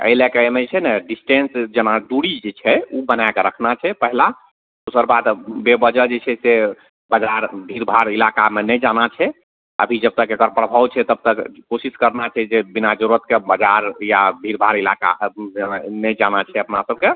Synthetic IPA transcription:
ə̰ɪlekeemet͡ʃʰɛnɛɖisʈensd͡ʒenaɖuɽid͡ʒet͡ʃʰɛubənakeɾəkʰnat͡ʃʰɛpəɦila | d̪usəɾbad̪bebəd͡ʒəd͡ʒet͡ʃʰɛse | bəd͡ʒaɾbʱiɾbʱaɾilakamenɛd͡ʒanat͡ʃʰɛ | əbʱid͡ʒəb̚t̪əkekəɾpɾəbʱawt͡ʃʰɛt̪əb̚t̪əkkosiskəɾnat͡ʃʰɛd͡ʒebinad͡ʒouɾət̪̚kebəd͡ʒaɾjabʱiɾbʱaɾilaka̰ | nɛd͡ʒanat͡ʃʰɛəpnasəb̚ke

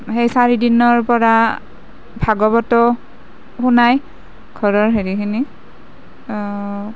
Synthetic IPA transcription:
hejsaɹidinɔɹpɔɹa | bʱaɡɔbɔtɔ | xunaj | ɡ̥ʱɔɹɔɹɦeɹikʰini

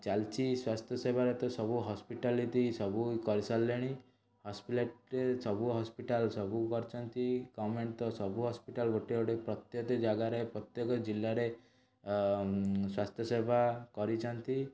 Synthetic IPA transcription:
t͡ʃalt͡ʃiswast̪ʰjɔsebʱaɾet̪ɔsɔbuɦɔspiʈalitisɔbukɔɾisalːeɽ̃i | hɔspileʈɾesɔbuɦɔspiʈalsɔbukɔɾt͡ʃʰɔnt̪iɡɔmeɳʈt̪ɔsɔbuɦɔspiʈalɡoʈioɽepɾɔt̪jɔt̪ɔd͡ʒaɡaɾepɾɔt̪jɔkɔd͡ʒilːaɾe | swast̪ʰjɔsebʱakɔɾit͡ʃʰɔnt̪i

